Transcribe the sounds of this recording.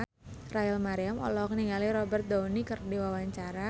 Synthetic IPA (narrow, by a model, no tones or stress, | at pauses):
rajɛlmaɾiamɔ̰lɔhkəniŋaliɾɔbərt̪̚daunikərdiwawaɲt͡ʃaɾa